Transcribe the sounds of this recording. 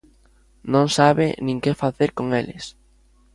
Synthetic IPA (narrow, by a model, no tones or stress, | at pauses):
nõŋsaβɪ̰nĩŋkefaθeɾkoŋelɪ̰s